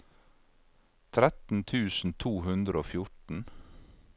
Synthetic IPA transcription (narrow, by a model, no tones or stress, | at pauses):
t̪ʰɾɛt̪n̩t̪ʰʉːsn̩t̪ʰuːhʉnd̪ɾəoːfjʊʈɳ̩